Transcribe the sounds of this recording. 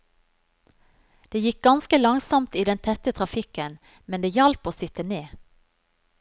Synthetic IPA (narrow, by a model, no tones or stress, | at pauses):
d̪̥eːjɪk̚ɡɑnskəlɑŋsɔmt̪iːd̪ɛnt̪ʰɛt̪ət̪ʰʁɑfɪkən | mɛnd̪eːjɛlpoːsɪt̪əneː